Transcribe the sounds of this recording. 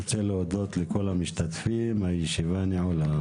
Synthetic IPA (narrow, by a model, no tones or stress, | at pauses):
t͡seleod̪ot̪lekolhamiʃt̪at̪fimhajeʃivaniʕola